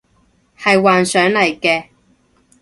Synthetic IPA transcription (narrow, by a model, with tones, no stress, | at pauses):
hɐ˨jwaː˨nsœː˨˥ŋlɐ˨˩jkɛː˧